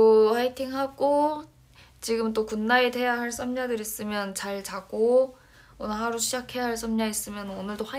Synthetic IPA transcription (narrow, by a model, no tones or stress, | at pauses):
ohaitʰiŋhaɡo | t͡ɕiɡɯmt̬͈okunːaede̞jahaɭs͈ʰʌmɲadɯɾis͈ɯmjʌnt͡ɕaɭt͡ɕaɡo | onɯɭɦaɾuɕʰid͡ʑakʰe̞jaɦaɭs͈ʌmɲais͈ɯmjʌnʌnɯɭdoha